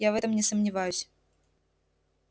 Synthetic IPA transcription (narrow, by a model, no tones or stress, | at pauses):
javɛt̪əmnʲɪsəmnʲɪvajʉsʲ